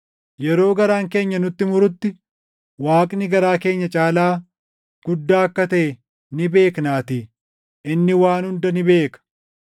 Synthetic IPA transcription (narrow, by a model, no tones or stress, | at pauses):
jɛɾo̞ːɡɐɾaːŋke̞ːɲːɐnʊt̪ːɪmʊɾʊt̪ːɪ | waːkʼnɪɡɐɾaːke̞ːɲːɐt͡ʃʼaːlaː | ɡ̥ʊd̪ːaːɐkːɐt̪ɐʔɛ | nɪbe̞ːknaːt̪iː | ɪnːɪwaːnhʊnd̪ɐnɪbe̞ːkɐ̥